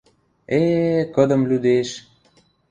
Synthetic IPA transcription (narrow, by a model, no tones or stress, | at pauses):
ekəd̪ə̆mlud̪eʃ